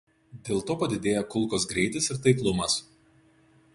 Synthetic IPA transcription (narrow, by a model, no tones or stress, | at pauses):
d̪ʲeːlˠt̪oːpɐd̪ʲɪd̪ʲeːjɛkʊlˠˑkoːsɡɾʲɛɪt̪ʲɪsɪɾt̪ɐɪklˠʊmɐs